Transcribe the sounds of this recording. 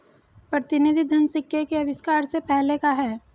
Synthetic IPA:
pɾɐt̪ɪnɪd̪ʱid̪ʱɐnsɪkːjekeɐʋɪskaːɾsepɛɦlekaɦɛː

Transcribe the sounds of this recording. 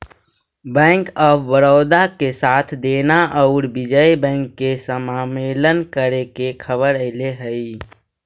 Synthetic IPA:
bɛ̃ːŋkɔːbəɾoːd̪akesaːt̪ʰd̪eːnaʔɔʊɾbɪd͡ʒəibɛ̃ːŋkːesəmaːmeːlənkəɾekekʰəbəɾəɪleɦəi

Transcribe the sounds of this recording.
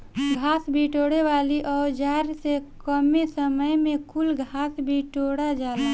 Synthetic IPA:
ɡʱaːsbʱiʈoːɽeʋaːliʔɔːɾd͡ʒaːɾsekəmesəməjmẽkʊlɡʱaːsbʱiʈoːɽad͡ʒaːla

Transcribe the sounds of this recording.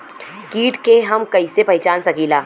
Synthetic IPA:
kiːʈkeɦɐmkɐisepɐɦɪt͡ʃaːnsɐkiːlaː

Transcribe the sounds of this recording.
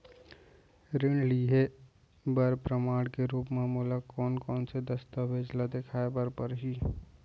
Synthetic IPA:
ɾɪɳliɦe | bəɾpɾəmaːɽkeɾuːpmaːmuːlakɔːnkɔːnsed̪ɐst̪əʋeːd͡ʒlad̪ekʰaːebəɾpəɾɦi

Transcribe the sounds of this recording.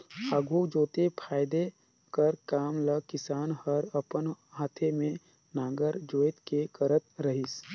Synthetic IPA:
əɡud͡ʒoːt̪epʰaːjd̪e | kəɾkaːmləkɪsaːnhəɾəpənɦaːt̪ʰemẽ | naːɡəɾd͡ʒoːjt̪kekəɾət̪̚ɾəɦɪs

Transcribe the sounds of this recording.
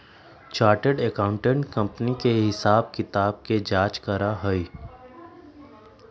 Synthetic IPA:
t͡ʃaːɾʈeɖekaːʊ̃ɳʈẽɳʈkɐ̃mpənikeɦɪsaːb̚kɪt̪aːb̚ked͡ʒaːt͡ʃkɐɾaɦəi

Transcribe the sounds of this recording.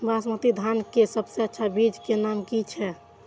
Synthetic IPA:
basmət̪id̪ʱankesəbseətːʃʰabid͡ʒkenamkit͡ʃʰɛ

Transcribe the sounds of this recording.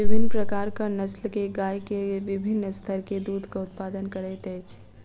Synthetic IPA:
ɪbʱɪnːpɾəkaːɾkanəslkeɡaːjkeʋɪbʱɪnːst̪ʰəɾked̪uːd̪ʱkaʊt̪̚paːd̪ənkəɾɛt̪ɛːt͡ʃʰ

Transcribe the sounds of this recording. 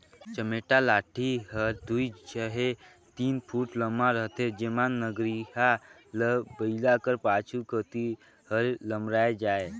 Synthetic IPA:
t͡ʃəmeːʈalaːʈʰiɦəɾd̪uit͡ʃəɦe | t̪iːnpʰuːʈləmaɾəɦt̪ʰed͡ʒemanːəɡɾiɦa | ləbəɪlakəɾpaːt͡ʃʰukət̪i | həɾləmɾaːed͡ʒaːe

